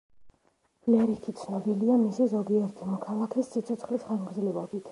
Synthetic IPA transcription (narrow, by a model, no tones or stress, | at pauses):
lɛɾit̪ʰit̪sʰnɔbiliamisizɔɡiɛɾt̪ʰimɔkʰalˠakʰɛsːit̪sʰɔt̪sχlisχanɡɾzlivɔbit̪ʰ